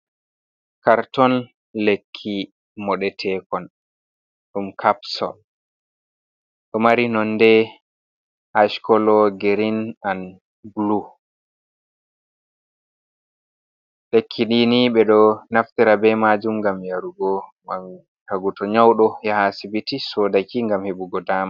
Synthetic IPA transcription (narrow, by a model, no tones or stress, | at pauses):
kaɾtɔn | lekʰːi | mɔɗɛtʰɛkɔn | ɗumkʰapsɔ̰l | ɗɔmaɾinɔnːdɛ | ʔaʃkɔlɔɡeɾinan | blu | lekʰːiɗiniɓɛɗɔnaftiɾabɛmad͡ʒumɡamjaɾuɡɔŋɡam | haɡutɔɲawɗɔjahasibitisɔːdakiŋɡamheɓuɡɔdaːma